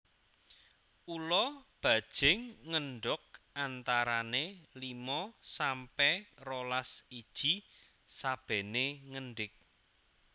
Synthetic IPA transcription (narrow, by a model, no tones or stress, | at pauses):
ulɔb̥ä̤d̥ʒ̥ɪŋːəɳɖʊk̚ʔant̪aɾanelimɔsampɛrolasid̥ʒ̥i̤ | sab̥ɛ̤neŋəɳɖɪk̚